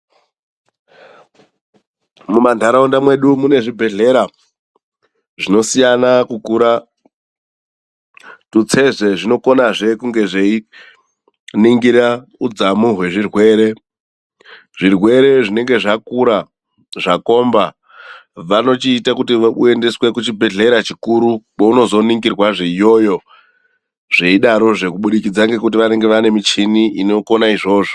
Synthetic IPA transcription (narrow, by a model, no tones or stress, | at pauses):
mumandʱaɾaundamwe̞ɗumune̞ʐibʱe̞ɮe̞ɾa | ʐino̞sijanakukuɾa | tut͡se̞ze̞ʐino̞ko̞naʐe̞kuŋɡe̞ʐei | niŋɡiɾaud͡zamuɦwe̞ʐirwe̞ːɾe̞ | ʐirwe̞ɾe̞ʐine̞ŋɡe̞ʐakuɾa | ʐako̞mba | ʋano̞t͡ʃiːtakutiue̞nde̞swe̞kut͡ʃibʱe̞ɮe̞ɾat͡ʃikuɾukouno̞zo̞niŋɡirwaʐeijo̞jo̞ | ʐ̥e̞iɗaɾo̞ʐe̞kuɓuɗikid͡zaŋɡe̞kut̬iʋane̞ŋɡe̞ʋane̞mit͡ʃiniʔino̞ko̞naiʐo̞ːʐo